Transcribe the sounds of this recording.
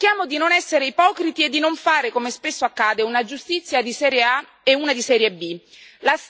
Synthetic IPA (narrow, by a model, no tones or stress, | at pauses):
kjaːmod̪inonɛsːeɾeipɔːkɾit̪ied̪ːinoɱfaːɾekomespesːoakːaːd̪eunad͡ʒust̪it̪sːjad̪isɛːɾjea | euːnad̪isɛːɾjebi | las